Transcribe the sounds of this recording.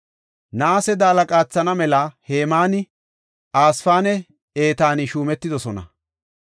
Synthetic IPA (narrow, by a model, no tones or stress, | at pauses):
naːsɛd̪aːlɐkʼaːt͡sːɐnɐmɛlɐhe̞ːmaːnɪ | aːsfaːnɛ | eːt̪aːnɪʃuːmɛt̪ːɪd̪ɔsɔnɐ̰